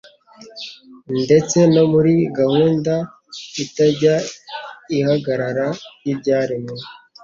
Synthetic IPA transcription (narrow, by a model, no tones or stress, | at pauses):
nde̞t͡se̞no̞muɾiɡahuːnda | itaɟa | ihaɡaɾaɾajibɟaːɾimŋe